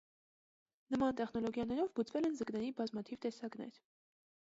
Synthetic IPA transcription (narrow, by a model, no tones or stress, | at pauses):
nəmɑnt̪ɛχnɔlɔɡjɑnɛɾɔvbut͡svɛlɛnzəknɛɾibɑzmɑt̪ʰivt̪ɛsɑknɛ̰ɾ